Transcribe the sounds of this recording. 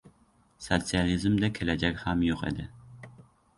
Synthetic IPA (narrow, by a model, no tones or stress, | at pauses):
sot̪sijalizɨmd̪akʲʰelæd͡ʒakʲhamjoqḭd̪ɪ